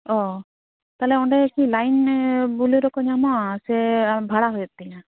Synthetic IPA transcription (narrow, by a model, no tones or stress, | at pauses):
ɔ | t̪alɛɔɳɖɛkilajnbuleɾɔkɔɲamɔasɛbʱaɽaɦɔjɔt̚t̪ɛja